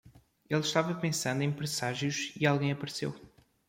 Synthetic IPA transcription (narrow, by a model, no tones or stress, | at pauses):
elˠʃt̪avɐpẽsɐ̃nd̪ẽj̃pɾɨsaʒjuʃialˠɣɐ̃j̃ɐpɐɾsḛw